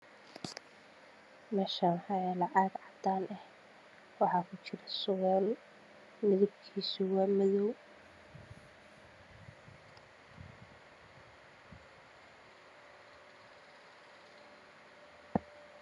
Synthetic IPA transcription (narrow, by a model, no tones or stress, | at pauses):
mɛːʃɐnħɑjɛlɑʕɑɡʕɑd̪aːnʔɛh | wɑħɑːkʰʊt͡ʃɪɾɐsʊɣɛːl | mɪðɔb̚kʰiːsʊwaːmɐðɔw